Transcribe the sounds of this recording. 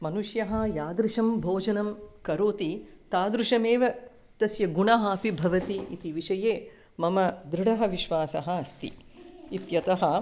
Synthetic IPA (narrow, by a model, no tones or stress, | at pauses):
mɐnuʃjɐɦɐ̆jaːd̪ɾuʃɐmbʱoːd͡ʒɐnɐmkɐɾoːt̪i | t̪aːd̪ɾuʂɐmeːʋɐ | t̪ɐsjɐɡuɳɐɦɐːpibʱɐʋɐt̪iit̪iʋiʂɐjeː | mɐmɐd̪ɾɪɽɐɦɐ̆ʋiʃʋaːsɐɦɐ̆ɐst̪ḭit̪jɐt̪ɐɦɐ